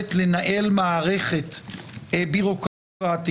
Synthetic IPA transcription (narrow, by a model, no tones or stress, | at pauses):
et̪le̞naʔe̞lmaːʁe̞χe̞t̪ebiʁo̞k | aat̪i